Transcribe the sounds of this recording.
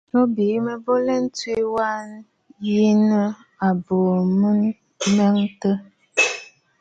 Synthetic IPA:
no˦bi˨˦mə˦bo˦lɛ˦n̩˦twi˦wa˦n˦ | ji˦nə˦ | a˨bo˨mə˦n˦ | ma˦ŋtə˦

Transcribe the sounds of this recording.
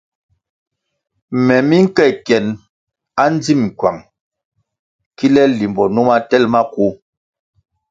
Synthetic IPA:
mɛ˨mi˦ŋ̩˦kɛ˦˨kjɛ˨n | a˦n˦d͡zi˦˨m̩˨kwa̰˨ŋ | ki˦lɛ˦li˨mbɔ˨nu˦ma˦tɛ˦lma˦ku˦

